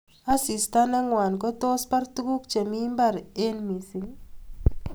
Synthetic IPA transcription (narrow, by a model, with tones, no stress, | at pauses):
a˦si˨sta˦na˦ŋwa˨nkɔ˦t̪o˦spa˦rt̪u˦ku˦kt͡ʃe˨mi˦mba˦˨ɾe˦nmi˨si˨ŋ